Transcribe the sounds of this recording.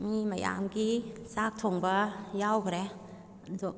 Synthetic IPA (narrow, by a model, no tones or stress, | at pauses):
mimaja̰mɡisak̚tʰoŋbajawkɾɛ | ndɔ